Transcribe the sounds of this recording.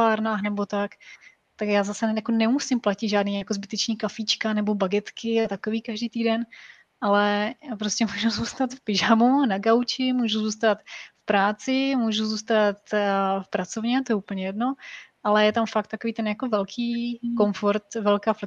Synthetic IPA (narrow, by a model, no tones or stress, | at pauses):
aːɾnaːxnɛbo̞t̪ak | t̪akjaːzasɛjakonɛmusɪmplacɪd̪ʒaːdniːjakozbɪt̪ɛt͡ʃɲiːkafiːt͡ʃkanɛbo̞baɡɛt̪kɪat̪akoviːkaʒdiːt̪iːdɛn | ʔalɛjaːpɾoscʲɛmuːʒuzuːst̪at̪fpɪʒamunaɡawt͡ʃɪmuːʒuzuːs̬t̪at̪fpɾaːt͡sɪmuːʒuzuːst̪at̪fpɾat͡sovɲɛt̪ojɛupl̩ɲɛjɛdno̞ʔalɛjɛt̪amfakt̪ːakoviːt̪ɛnjakovɛlkʰiːko̞mfoɾt̪vɛlkaːflɛ